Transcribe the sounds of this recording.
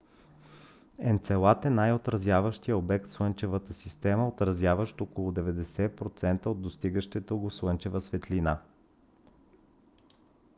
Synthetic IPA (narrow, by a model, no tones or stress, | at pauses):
ɛnt̪sɛlˠat̪ɛnajot̪ɾɐzʲjavəʃt̪ijəobɛk̚t̪slˠɤnt͡ʃɛvət̪əsist̪ɛməot̪ɾɐzjavəʃt̪okolˠʊd̪ɛvɛd̪ɛsɛpɾot̪sɛnt̪əod̪ːost̪iɡəʃt̪ɛt̪oɡofslˠɤnt͡ʃɛvəsvɛt̪lina